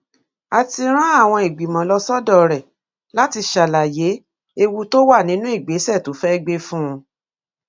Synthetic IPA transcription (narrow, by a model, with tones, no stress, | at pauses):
a˨ti˧ɾ̃ã˦a˦˨w̃ɔ̃˧i˨ɡ͡bi˨mɔ̃˨lɔ˧sɔ˦dɔ˦˨ɾɛ˨ | la˦ti˧ʃa˨la˨je˨˦ | e˧wu˧to˦wa˦˨nĩ˦nũ˦i˦˨ɡ͡be˨˦sɛ˦˨tu˨˦fɛ˦˧ɡ͡be˦fũ˦ũ˧